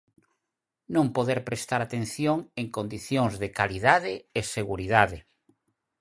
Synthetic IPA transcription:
nõŋpoðeɾpɾest̪aɾat̪en̟θjoŋeŋkond̪iθjoŋzðekaliðaðɪːseɣuɾiðaðe

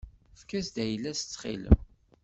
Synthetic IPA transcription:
fkæsd̪æjəlːæst͡sːχḭlə̰m

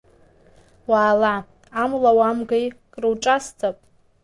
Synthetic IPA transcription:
waːla | amlawamɡajkʼrɨwʈ͡ʂʼastʰʼapʼ

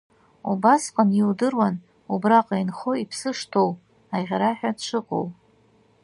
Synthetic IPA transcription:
ubasqʼaniwdɨrwan | ubraqʼajnχoipʰsɨʂtʰow | aʁʲɾaħʷᶣadt͡ʃʷʰɨqʼo̰w

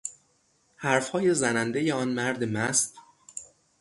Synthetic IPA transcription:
hæɾfhɒːjezænænd̪ejeɒːnmæɾd̪emæst̪

